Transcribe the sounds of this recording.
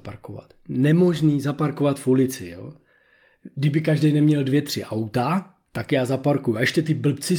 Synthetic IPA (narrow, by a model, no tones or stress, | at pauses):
paɾkova̰t̪nɛmo̞ʒniːzapaɾko̞vat̪fulɪt͡sɪjo̰ | ɡdɪbɪkaʒdɛjnɛmɲɛldvjɛt̪r̝̥ɪʔawt̪a | t̪akjaːzapaɾkujuaʔɛʃcɛt̪ɪbl̩p̚t͡sɪ